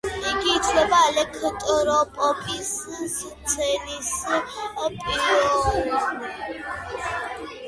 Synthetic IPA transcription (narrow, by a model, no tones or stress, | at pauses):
iɡiːt͡ʃʰlɛbalɛkʰət̪ʼɔɾɔpʼɔpʰʼiss | t̪t͡sʰɛnisəpʼiɾɔ